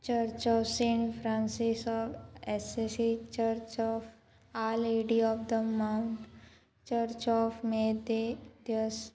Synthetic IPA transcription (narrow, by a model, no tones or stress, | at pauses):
t͡ʃəɾt͡ʃɔfsẽɳfʰɾãnsisɔfesesit͡ʃəɾt͡ʃɔːf | aːleɖiɔːfd̪əmãʊ̃ɳʈ | t͡ʃəɾt͡ʃɔːfmed̪ed̪jəs